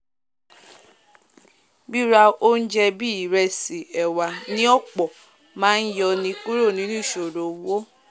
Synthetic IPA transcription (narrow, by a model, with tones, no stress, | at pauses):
bi˦ɾa˧o˦n̩˦d͡ʒɛ˧bi˦i˨ɾɛ˧si˨ɛ˨wa˨nĩ˦ɔ˦˨k͡pɔ˨ | mãː˦n̩˦jɔ˧nĩ˧˦k͡pu˦ɾo˦˨nĩ˨˦nũ˦˨ʃo˨ɾo˨˦wo˦